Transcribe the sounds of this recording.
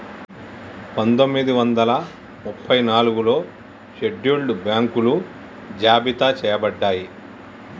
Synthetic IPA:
pɐnd̪o̞mːid̪iʋɐnd̪ɐlɐ | mupʰːɐjnaːluɡulo̞ː | ʃeɖːuɭɖubjaːŋkulu | d͡ʒaːbit̪at͡ʃɛːjɐbɐɖːaːji

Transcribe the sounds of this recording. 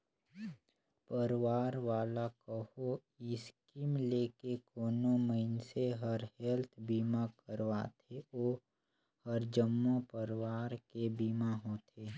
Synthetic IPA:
pəɾʋaːɾʋaːlakəho | ɪskimleːkekoːnoməɪnseɦəɾhɛlt̪ʰbiːmakəɾʋat̪ʰeoː | həɾd͡ʒəmːopəɾwaːɾkebiːmaɦot̪ʰeː

